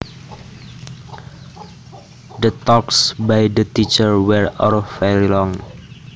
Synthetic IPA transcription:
d̪ət̪ɔksbajdət̪it͡ʃəɹwɛɹɔ̰ɾfelilɔŋ

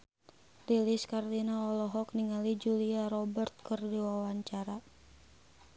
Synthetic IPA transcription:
riliskardinaɔlɔɦɔk̚niŋalid͡ʒuliaɾɔbərt̪̚kərdiwawaɲt͡ʃaɾa

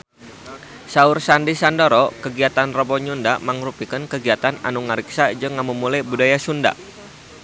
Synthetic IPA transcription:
saursandisandoɾɔkəɡiat̪anrɔbɔɲundaməŋrupikənkəɡiat̪ana̰nuŋaɾiksad͡ʒɨŋamumulajbudajasunda̰

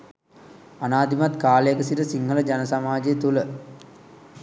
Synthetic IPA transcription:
anaːd̪imat̪kaːlejəkəsiɾəsiŋɦələd͡ʒanəsamaːd͡ʑet̪ulə

